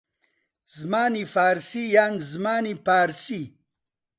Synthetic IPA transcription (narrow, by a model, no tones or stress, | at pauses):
zmaːnifaːɾsijaːnzmaːnipaːɾsi